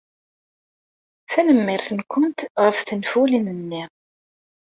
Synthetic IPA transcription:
θænəmːɪɾθənkʊnt̪ʁəfθənfulinənːɪ

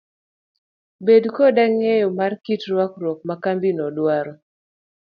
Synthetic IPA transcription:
bedkodaŋejɔmarkitɾwakɾwɔk̚makambinɔdwaɾɔ

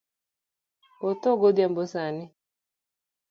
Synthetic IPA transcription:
ot̪oɡod̪jambosanɪ

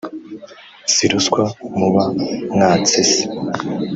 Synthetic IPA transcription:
siɾuskwamuβaŋaːt͡sesi̥

